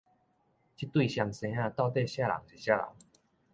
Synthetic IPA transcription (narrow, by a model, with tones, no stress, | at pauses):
t͡ɕi˦t̪wi˥˨ɕja˧ŋsẽ˧˦ã˥˧t̪a˥˧ʊt̪e˥˧ɕja˦˧la̰˨˦ŋɕi˨˩ɕja˦˧la̰˨˦ŋ